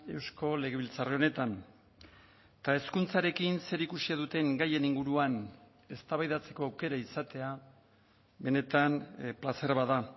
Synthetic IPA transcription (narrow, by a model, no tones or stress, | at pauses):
e̞wsko̞le̞ɣe̞βilt͡sareo̞ne̞t̪an | t̪ae̞skunt͡saɾe̞kinse̞ɾikusiaðut̪e̞ŋɡaje̞niŋɡuɾuan | e̞st̪aβajðat͡se̞ko̞awke̞ɾaisat̪e̞a | βe̞ne̞t̪anplase̞ɾβaða